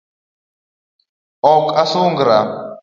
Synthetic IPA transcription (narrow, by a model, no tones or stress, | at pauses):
ɔkasuŋɡɾa